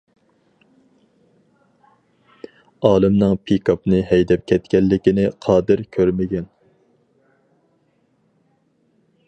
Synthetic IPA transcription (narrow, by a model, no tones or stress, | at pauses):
ɑːlˠɨmnɨŋpʰikʰɑpnɨɦɛjd̪ɛp̚kʲʰɛt̪kʲɛlːɪkʲinɪqʰɑːd̪ɪɾkʲʰøɾmɪɡʲɛn